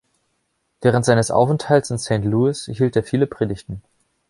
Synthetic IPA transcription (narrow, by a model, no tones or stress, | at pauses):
veːʁ̞əntz̥aɪnəsʔa̰ʊfɛnthaltsɪnsɛ̃ːntluːɪsɦiːlteːɐfiːləpʁ̥eːdɪçtn̩